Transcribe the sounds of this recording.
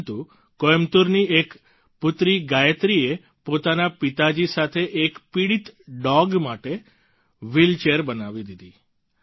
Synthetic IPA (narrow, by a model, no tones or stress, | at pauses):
t̪u | kojmt̪uɾniek | pʊt̪ɾiɡajət̪ɾie | pot̪anapit̪ad͡ʒisat̪ʰeʔekpiɽit̪ɖɔɡmaʈe | ʋilt͡ʃeɾbənaʋid̪id̪i